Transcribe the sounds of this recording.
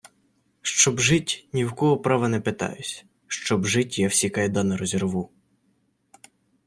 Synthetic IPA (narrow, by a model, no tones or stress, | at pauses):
ʃt͡ʃɔbʒɪtʲnʲiwkɔɦɔpɾɑʋɐnɛpet̪ɑ̰jʊsʲ | ʃt͡ʃɔbʒɪtʲjawsʲikɐjd̪ɑnɐɾɔzʲerʋu